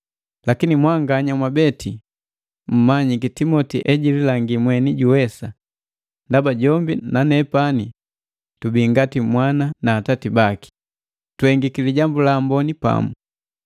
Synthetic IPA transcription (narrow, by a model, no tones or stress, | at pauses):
lakinimwaŋɡaɲamwabɛtʰi | m̩maɲikitimɔtiʔɛɟililaŋɡimwɛniɟuwɛsa | ndabaɟɔmbinanɛpani | tubiŋɡatimwananaːtatibaki̥ | twhɛŋɡikiliɟambulambɔnipa̰mu